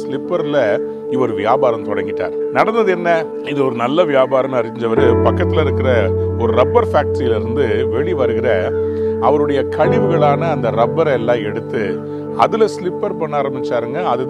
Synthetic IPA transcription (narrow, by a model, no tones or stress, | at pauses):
slɪpːɐɾɪlɐ | ɪʋɔɾɯʋɪjaːbaːɾɐmt̪ɔɽɐŋɡɪʈːa̰ːɾnɐɽɐnd̪ɐðɯɛnːɐ | ɪnðɐɔɾɯnɐlːɐʋɪjaːbaːɾɐmɐɾɪɲd͡ʒɐʋɐɾɯpɐkːɐt̪ːɪlɐɪɾɯkːɪɾɐɔɾɯɾɐbːɐɾfaːk̚ʈɐɾijɪlɪɾɯnd̪ɯʋɛɭiʋɐɾɯɣɪɾɐɐʋɐɾɯɽɐjɐkɐɭɪʋɯɣɐɭaːnɐːnd̪ɐɾɐbːɐɾɛlːãːɛɽɯt̪ːɯ | ɐ̰ðɯlɐslɪpːɐɾpɐɳːaːɾɐmbɪt͡ʃːaːɾɯŋɡɐɐðɯ